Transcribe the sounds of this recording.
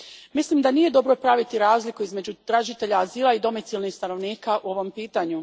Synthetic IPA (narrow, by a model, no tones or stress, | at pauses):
mislimd̪anije̞d̪o̞bɾo̞pɾaʋit̪iɾaːzlikuizme̞d͡ʑut̪ɾaʒit̪e̞ʎaːziːlˠaid̪o̞mit̪silˠnixst̪ano̞ʋniːkaʔuo̞ʋo̞mpiːt̪aɲu